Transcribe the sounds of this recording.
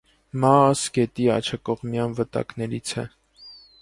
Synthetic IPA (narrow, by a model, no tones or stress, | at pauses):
mɑsɡɛt̪iɑ̰t͡ʃʰɑkɔʁmjɑnvət̪ɑ̰knɛɾit͡sʰɛ